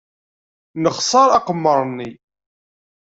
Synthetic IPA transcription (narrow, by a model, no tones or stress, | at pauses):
nəχsˤɑɾˤɑqəmːəɾˤnːi